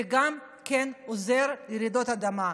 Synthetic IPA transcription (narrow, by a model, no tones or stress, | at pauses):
eɡam | kenozeʁjeɾid̪o̞t̪ad̪ama